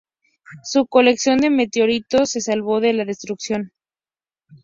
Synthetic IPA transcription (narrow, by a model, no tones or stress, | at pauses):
suko̞le̞ksjo̞nd̪e̞me̞t̪eo̞ɾit̪o̞se̞salβo̞ðe̞laðe̞st̪ɾuksjo̞n